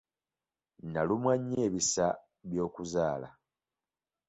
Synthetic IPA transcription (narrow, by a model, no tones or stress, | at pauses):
nalumwaɲːeːβisa | βjo̞ːkuzaːla̰